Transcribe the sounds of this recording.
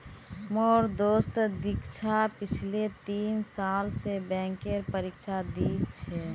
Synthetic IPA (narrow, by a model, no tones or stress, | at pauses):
mɔːɾd̪oːst̪d̪ɪkt͡ʃʰapɪt͡ʃʰlet̪iːnsaːlsebɛ̃ːŋkeɾpəɾikt͡ʃʰad̪it͡ʃʰɛ